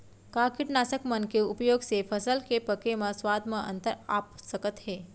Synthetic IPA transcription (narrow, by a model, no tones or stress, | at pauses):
kaːkiʈnaːsəkmənkeupjoːɡsefʰəsəlkepəkemɐ̃swaːd̪ʱməʔə̰nt̪əɾa̰ːpsəkət̪ɦeː